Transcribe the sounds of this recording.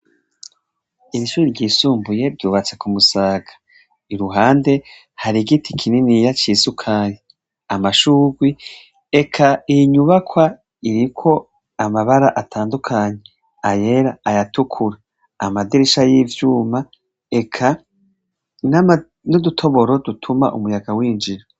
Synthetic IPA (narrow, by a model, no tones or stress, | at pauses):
iɾiʃuːɾiɾɟiːsuːmbuje̞ɾɟuːβat͡sekumusaːɡḁ | iɾuɦaːnde̞ | haɾiɡitʰikʰininijat͡ʃiːsukʰaːje | amaʃuːɡwi | ekʰaiiɲuβakʰwa | iɾikʰo̞ | amaβaɾaʔatʰaːndukʰaːɲe̞ | aje̞ɾaajatukʰuɾaː | madiɾiʃajiːvjuːma | e̞kʰa | na | nodutʰo̞βo̞ɾo̞dutʰuma̰ʔṵmujaɡawiːnd͡ʒiɾo